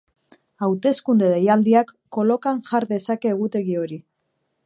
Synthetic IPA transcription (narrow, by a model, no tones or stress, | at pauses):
awt̪e̞skund̪eðejald̪iakːo̞lo̞kaŋʝaɾðe̞sake̞ːɣ̞ut̪e̞ɣio̞ɾi